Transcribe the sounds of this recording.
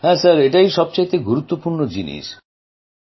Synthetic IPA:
hɛsaɾeʈajʃɔb̚t͡ɕajt̪eɡuɾut̪ːopuɾnod͡ʑinḭʃ

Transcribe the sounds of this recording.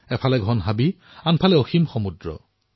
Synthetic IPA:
ɛpʰalɛɡʱɔnɦabi | anpʰalɛoximxomudɹɔ̰

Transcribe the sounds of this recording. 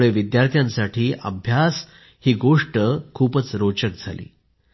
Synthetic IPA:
ɭeʋid̪jaɾt̪ʰjãnsaʈʰiːʔə̰bʱjas | hiːɡoʂʈəkʰuːpət͡sɾot͡ɕək̚d͡zʱalḭː

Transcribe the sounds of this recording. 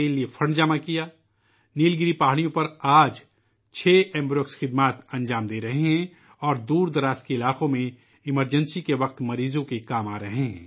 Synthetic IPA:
eliefʰɐɳɖd͡ʒɐmakijaː | niːlɡɪɾipaːɦɽijõpɐɾaːd͡ʒ | t͡ʃʰeːʔɛ̃ːmbɾoːksxɪd̪maːt̪ɐ̃nd͡ʒaːmd̪eːɾɐɦeɦɛ̃ | ɔːɾd̪uːɾd̪ɐɾaːskeɪlaːqõmẽ | ɪməɾd͡ʒə̃nsikeʋɐq̚t̪mɐɾiːzõkekaːmaːɾɐɦeɦɛ̰̃ː

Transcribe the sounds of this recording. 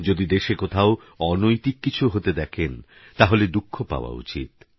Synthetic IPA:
d͡ʑod̪id̪eʃekot̪ʰao | ɔnojt̪ikːit͡ɕʰuɦot̪ed̪ɛkʰen | t̪aɦoled̪ukʰːopa̰oa̰ṵt͡ɕḭt̪̚

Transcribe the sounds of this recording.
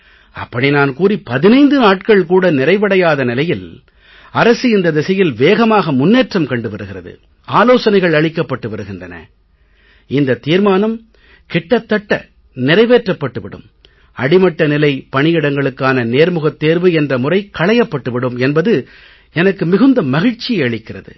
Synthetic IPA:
ɐ̰pːɐɽinaːnkuːripɐðɪnɐɪnd̪ɯnaːʈ̚kɐɭkuːɽɐnɪrɐɪʋɐɽɐjaːðɐnɪlɐjɪl | ɐɾɐsɯɪnd̪ɐd̪ɛsɐjɪlʋeːɣɐmaːɣɐmʊnːeːʈrɐmkɐɳɖɯʋɐɾɯɣɪrɐðɯ̰ | aːloːsɐnɐɪɣɐɭɐɭɪkːɐpːɐʈːɯʋɐɾɯɣɪndrɐnɐ̰ | ɪnd̪ɐt̪ːiːɾmaːnɐm | kɪʈːɐt̪ːɐʈːɐ̰ | nɪɾɐɪʋeːʈrɐpːɐʈːɯʋɪɽɯ̰m | ɐɽɪmɐʈːɐnɪlɐɪpɐɳɪjɪɽɐŋɡɐɭɯkːaːnɐneːɾmɯɣɐt̪ːeːɾʋɯɛndrɐmʊrɐɪkɐɭɐjɐpːɐʈːɯʋɪɽɯmɛnbɐðɯ | ɛnɐkːɯmɪɣɯnd̪ɐmɐɣɪɻt͡ʃːɪɐɭɪkːɪrɐðɯ̰

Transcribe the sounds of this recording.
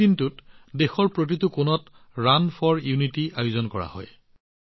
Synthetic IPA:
intutdexɔɹpɹot̬itʊkʊnɔt | ɹanpʰɔɹjunitiajʊzɔnkɔɹa̰hɔ̰j

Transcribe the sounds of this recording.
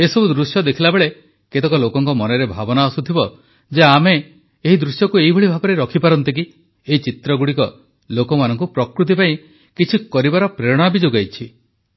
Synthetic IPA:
esɔbud̪ɾusjɔd̪ekʰilabeɭe | ket̪ɔkɔlokɔŋkɔmɔnɔɾebʱa̰bɔnaɔsut̪ʰibɔ | d͡ʒeameː | ɦid̪ɾusjɔkueɦibʱɔɭibʱabɔɾeɾɔkʰipaɾɔnt̪ik̬i | eit͡ʃit̪ɾɔɡuɽikɔ | lokɔmanɔŋk̬upɾɔkɾut̪̬ipaĩ | kit͡ʃʰikɔɾibaɾɔpɾeɽ̃abid͡ʒoɡajt͡ʃʰi

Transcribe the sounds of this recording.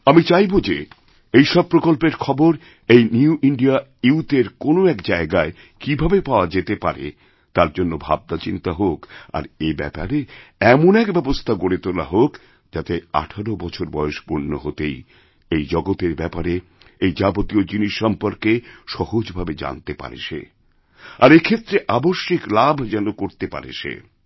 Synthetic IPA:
amit͡ɕajbod͡ʑe | ejʃɔb̚pːɾokolpeɾkʰɔboɾ | ejniuʔiɳɖia | iut̪eɾkonoɛkd͡ʑaeɡae | kibʱabepaoad͡ʑet̪epaɾḛ | t̪aɾd͡ʑonːobʱa̰b̚d̪at͡ɕint̪aɦoka̰ɾebɛ̰pa̰ɾeɛmonɛkbɛbost̪ʰaɡoɽet̪ola̰ɦok | d͡ʑat̪ea̰ʈʰaɾobɔt͡ɕʰoɾbɔoʃpoɾnːoɦot̪ej | ejd͡ʑɔɡot̪eɾbɛpaɾe | ejd͡ʑabot̪iod͡ʑiniʃːɔmpoɾkeʃɔhod͡ʑbʱabed͡ʑa̰nt̪epa̰ɾḛʃḛ | aɾekʰet̪ːɾeʔaboʃːiklabʱd͡ʑɛnokoɾt̪epa̰ɾḛʃḛ

